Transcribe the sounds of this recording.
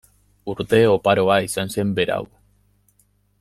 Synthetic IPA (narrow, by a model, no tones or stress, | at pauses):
uɾt̪e̞o̞paɾo̞aisanse̞mbe̞ɾa̰w